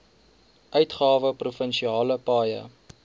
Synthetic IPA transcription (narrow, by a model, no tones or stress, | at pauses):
ʔœɥtχɑːvəprufənʃiɑːləpɑːjə̰